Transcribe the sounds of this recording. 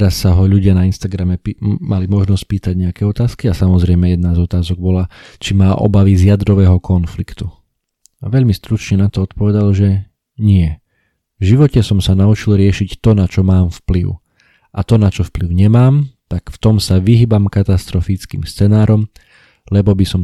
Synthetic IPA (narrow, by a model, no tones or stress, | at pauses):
t̪ɛɾasːaɦɔʎuɟɪanainst̪aɡɾamɛpimalimɔʒnɔsc̚piːt̪aɟɲɛakɛɔt̪aːskiasamɔzɾɛɪmɛjɛd̪nazɔt̪aːzɔɡ̚bɔlat͡ʃimaːʔɔ̰baʋizjad̪ɾɔʋɛːɦɔkʰɔnflikt̪u | aʋɛʎmist̪ɾut͡ʃɲɛnat̪ɔɔt̪pɔʋɛd̪alʒɛ | ɲɪɛ | vʒiʋɔcɛsɔmsanaut͡ʃilɾɪɛʃict̪ɔnat͡ʃɔmaːmfpliʊ | ʔat̪ɔnat͡ʃɔfpliʊɲɛmaːmt̪akft̪ɔmsaʋiɦiːbamkat̪ast̪ɾɔfit͡skḭːmst͡sɛnaːɾʔɔm | lɛbɔbisɔm